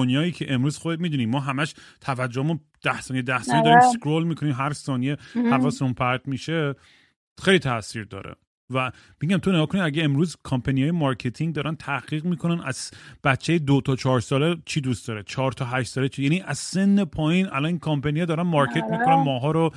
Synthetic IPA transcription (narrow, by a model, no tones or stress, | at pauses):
onjɒːiːcʰe̞ʔemɾuːz̥xod̪emiːd̪uːnimɒːɦæmæʃt̪ʰævæd͡ʒːohemun | d̪̥æhsɒːnijed̪æhsɒːned̪ɒːɾimskɾolmiːkʰo̞niːmɦæɾsɒːnijehævɒːsunpʰæɾt̪miːʃe | xejliːt̪ʰæsiːɾd̪ɒ̰ːɾḛ | væ | miɟæmt̪ʰoneɡɒːkʰoniæɡeemɾuːzkʰɒmpʰænijɒːjemɒɾkʰet̪ʰiŋɡd̪ɒːɾænt̪ʰæhʁ̥iːɣmiːkʰo̞nænʔæ̰z̥b̥æt͡ʃʰːejed̪ot̪ʰɒːt͡ʃʰɒːɾsɒːlet͡ʃʰid̪ust̪d̪ɒɾet͡ʃʰɒːɾt̪ʰɒɦæʃt̪sɒːlet͡ʃʰijæːniʔæz̥se̞nːepʰɒːjiːnæ̰lɒːniːnkʰompʰænijɛd̪ɒːɾænmɒɾcʰe̞t̪miːkʰonænmɒːɦɒːɾo